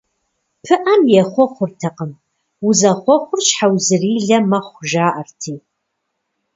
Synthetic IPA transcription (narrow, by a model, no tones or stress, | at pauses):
pʰɨʔɐmjɛχʷɔχʷʊrtʰɐqəm | uzɐχʷɔχʷʊrʃħawzɨriːɮɐmɐχʷʒaːʔɐrtʰiː